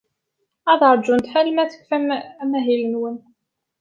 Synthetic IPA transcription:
æðɾˤd͡ʒːunt̪ħælmæθə̥kʷːfæmæmæɦilənwən

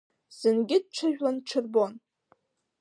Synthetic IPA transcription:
z̥ɨnɡʲɪd̚ʈ͡ʂʷʰaʒᶣwanʈ͡ʂʰɨrbo̞n

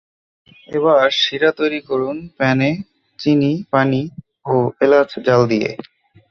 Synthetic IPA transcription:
eβaɾʃiɾat̪ojɾikoɾunpɛne | t͡ɕinipani | oelad͡ʑd͡ʑald̪ijḛ

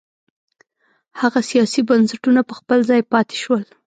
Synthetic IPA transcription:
haɣasijɑsibansaʈunapəxpəlzɑjpɑt̪e̥ʃwəl

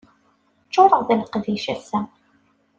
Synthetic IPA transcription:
t͡ʃːoɾˤəʁðælqðiʃæsæm

